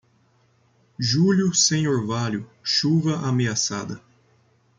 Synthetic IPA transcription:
ʒuljʊsẽɲoɾvaljʊʃuvɐʔameasa̰d̪ɐ

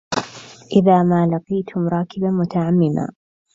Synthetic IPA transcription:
ʔɪðaːmaːlɑqijːt̪ʰʊmɾˤɑːkɪbamʊt̪aʕamːɪma̰ː

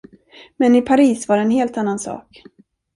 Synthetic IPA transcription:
mɛnɪpʰaɾiːsvaɖɛnɦeːlt̪anːansɑ̰ːk

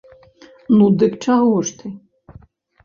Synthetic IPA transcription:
nud̪ɨkt͡ʂaɣɔʂt̪ɨ

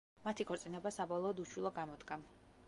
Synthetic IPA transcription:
mat̪ʰikʰɔɾt̪sʼinɛbasabɔlˠɔːd̪uʃwilˠɔɡamɔd̪ɡa

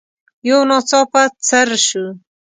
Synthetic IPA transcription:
jownot͡soːpat͡saɾʃu

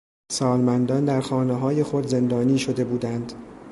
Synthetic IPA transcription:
sɒːlmænd̪ɒnd̪æɾxɒːneɦɒːje̞xo̞d̪ze̞nd̪ɒːniːʃo̞d̪e̞buːd̪ænd̪̥

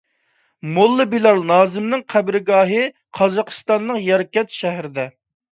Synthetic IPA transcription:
molˠːɨbilɑɾnɑːzɪmnɪŋqʰæbɾɪɡɑːɦɨ | qʰɑzɑqʰɨ̥st̪ɑnːəqjɛɾɪkʲɛt̪ʃɛhɾɪd̪ɛ

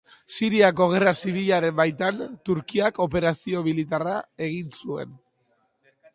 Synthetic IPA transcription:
siɾiako̞ɣ̞e̞rasiβ̞iʎaɾe̞mbajt̪ant̪uɾkiako̞pe̞ɾasio̞milit̪arae̞ɣ̞insue̞̰n

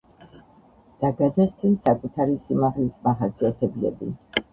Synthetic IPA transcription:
d̪̥aɡad̪ɛst̪sʰʼinsakʼut̪ʰaɾisimaʁlismaχasiat̪ʰɛblɛ̰bḭ

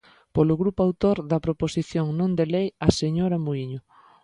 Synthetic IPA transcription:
polʊɣɾupʊawt̪oɾðɐpɾoposiθjoŋnõnd̪elejɐseɲoɾamuiɲʊ

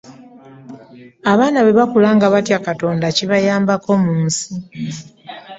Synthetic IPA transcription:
aβaːnaβeβakulaːŋɡaβatjakato̞ːndaciβajaːmbako̞muːnsi

